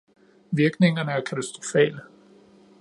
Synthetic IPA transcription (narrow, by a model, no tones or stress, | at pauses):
ʋiɐɡ̥ne̝ŋɐnəæɐkʰæt͡sʰæsd̥ʁo̝fɛ̰ːlə